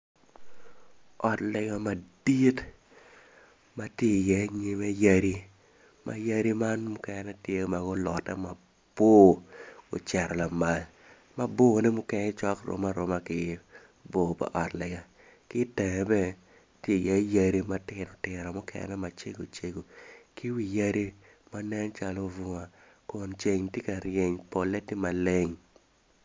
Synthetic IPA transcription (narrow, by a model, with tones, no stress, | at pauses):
ɔ˨tlɪ˨ɡa˨ma˨di˦t | ma˦tje˦˨jɛ˦ɲi˦me˦ja˦ɾi˦ | mʔa̰˨ja˦ɾi˦ma˦nmʊ˦kɛ˨nnɛ˦tje˦ma˨ɡo˦lɔ˨tɛ̰˦ma˨ | b̥o˦ɡ̥o̰˨t͡ʃɛ˨ɾɔ˨la˨ma˨l | ma˦bo˦˨nɪ˦mʊ˦kɛ˦nɛ˦t͡ʃɔ˦kɾo̰˨ma˦ɾo˨ma˦kɪ˨ | bo˨pa̰˨ʔɔ˨tlɛ˨ɡa˨ | kɪ˦tɛ˨ŋɛ˨bɛ˦ | tje˦˨ja˦ja˦ɾi˦ma˦tɪ˨nɔ˨tɪ˨ɾɔ˨mʊ˦kʰɛ̰˨nɛ˦ma˨t͡ʃe˦ɡo˨t͡ʃe˦ɡo˨kɪ˦wi˨ja˦ɾi˦ | ma˦nɛ˦nt͡ʃa˨lo˦vʊ˨ŋa˨ | kɔ˨nt͡ʃe˨ŋte˦ka˨ɾje˨ɲpo˨lɛ˦tɪ˦ma˨le˦ŋ